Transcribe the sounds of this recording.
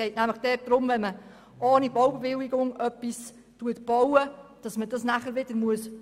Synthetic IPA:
ɛɪtnæmləχd̥ɛt̚d̥ɾʊmʋɛnmə | ʔɑːnibɔwbeʋɪliɡʊŋœpːis | tuətb̥ɔwəd̥ɑsməd̥ɑsnæχəɾʋɪd̥əɾmuəs

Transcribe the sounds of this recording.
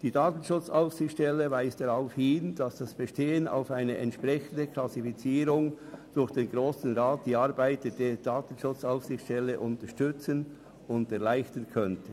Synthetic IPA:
d̥iːdaːtən̩ʃʊt͡saʊfsɪxtʃtɛləvaɪsd̥aʁaʊfhɪnd̥ɑsd̥ɑsb̥əʃteːəna̰ʊfaɪnəʔɛ̰ntʃpʁɛçən̩dəkʰlɑsifit͡siːɾʊŋ | d̥ʊɾxd̥eːnɡʁoːsən̩ʁaːt̚d̥iːɑɾbaɪtəd̥eːd̥aːtən̩ʃʊt͡saʊfsɪxtʃtɛlːəʔʊntəʃtʏt͡sən | ʊndɛʁlaɪçtənkʰœntə

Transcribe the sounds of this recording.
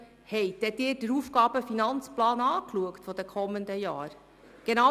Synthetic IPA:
hɛɪtdɛd̪ɪːɾd̥əɾufɡ̥ɑːb̥əfinɑnt͡splɑːnɑːkluəktfɔd̥ɛkʰɔmːənd̪əjɑːɾ | ɡ̥enɑ

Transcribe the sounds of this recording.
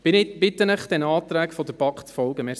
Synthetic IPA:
b̥ɪɪb̥ɪt̪ːənəχd̪̥ɛnɑːt̪ɾæːkfɔd̪əɾpɑkχfɔlɡəmɛ

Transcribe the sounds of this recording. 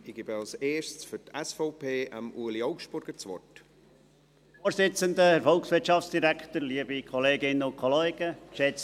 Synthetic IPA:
ɪɡ̥ɪbəɑlseːssfytɛsfɔʊpʰeːə̰muːəliɔʊkʃtb̥ʊɾɡ̥ət͡svɔ̰rt | oːɾsɪt͡səndəɛɾfɔlksʋɪɾtʃɑft͡ssd̥iɾækʰtəɾliəbikʰɔleːɡɪnːəʊnkʰɔleːɡ̥əʃɛt͡s

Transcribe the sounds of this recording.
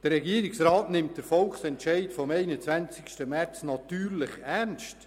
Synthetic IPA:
d̥ərːɛɡiːəɾiksɾɑːtnɪmt̚d̥əɾfɔlχsɛntʃɛɪtfɔmɛɪnət͡sʋænt͡sɪ̥kʃtəmæɾt͡snɑtyːɾlɪχæɾnst

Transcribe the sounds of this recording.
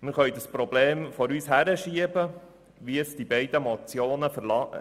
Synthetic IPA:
mɪɾχœɥd̪əspɾɔbleːmfɔɾyːshæɾəʃiəbə | ʋiəsd̥ibɛɪd̪əmɔt͡sjoːnəfəɾlɑ

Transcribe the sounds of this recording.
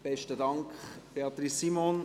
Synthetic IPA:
b̥ɛʃtədɑŋkχb̥eɑt̪ɾisːimon

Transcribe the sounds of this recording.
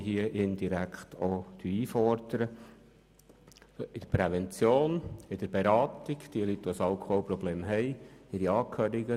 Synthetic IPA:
ɦiəʔɪnd̥̪iɾækχt̪ʰod̪̥yiːfɔɾd̥̪əɾə | ɪd̥əɾpɾɛvɛnt͡sjoːnɪd̥əɾb̥eɾɑːt̪ɪɡd̪̥iəlyt̪ːʋosɑlkoːpɾɔbleːmɦɛɪɪɾiɑːkʰhøːɾiɡə

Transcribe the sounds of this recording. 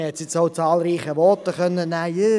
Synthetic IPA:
hɛtsjɪt͡soʊt͡sɑːlˠɾiːχəʋɔtəχœnːənːæːjə

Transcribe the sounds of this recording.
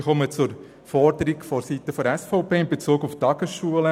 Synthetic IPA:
χɔmət͡sʊɾ | fɔɾdəɾiɡfɔɾsitːəfɔɾɛsfɔʊpeːɪnbet͡suːɡuftɑɡ̥əsʃuələ

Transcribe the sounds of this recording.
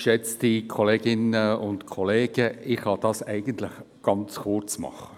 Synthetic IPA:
ʃɛt͡stikʰɔleːɡɪnəʊntkʰɔleːɡ̥əɪχhɑd̥ɑsɛɪɡ̥ənt̪ləχ | ɡ̥ɑnt͡skʊrt͡smɑ̰χə̥

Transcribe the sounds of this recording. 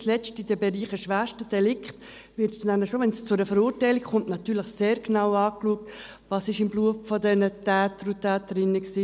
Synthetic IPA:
slɛt͡stid̥əbeɾiːχəʃʋæːʃtəd̥ɛlɪkχt | vɪɾtsdnænəʃoʋɛnst͡sʊdəfəɾuːɾtaɪlɪkχʊntnɑtːyːləχseːɾknaʊɑːkluək̚t | vɑsɪʃɪmbluəffɔdɛnətɛːtəɾʊtɛːtəɾɪnːəksiː

